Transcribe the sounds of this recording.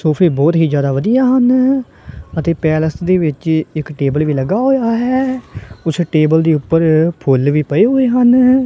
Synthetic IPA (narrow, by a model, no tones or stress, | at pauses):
soːpʰeːbɔːt̪ɦiːd͡ʒjaːd̪aːʋəd̪ijaːɦən | ət̪eːpɛːləsd̪eːʋɪt͡ʃɪkʈeːbəlʋiːləɡaːɦoːjaːɦɛːʊsʈeːbəld̪iːʊpːəɾpʰʊlʋiːpəeːɦoːeːɦən